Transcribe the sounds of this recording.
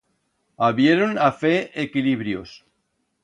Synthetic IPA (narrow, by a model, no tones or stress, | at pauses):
aβjeɾonafeekiliβɾjos